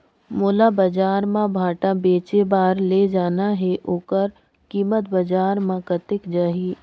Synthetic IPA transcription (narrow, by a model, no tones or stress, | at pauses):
moːlabɐd͡ʒaːɾmãbʱaːʈabeːt͡ʃebaːɾled͡ʒaːnaɦɛʔoːkəɾ | kiːmət̪bɐd͡ʒaːɾmãkət̪ɪkd͡ʒaːɦiː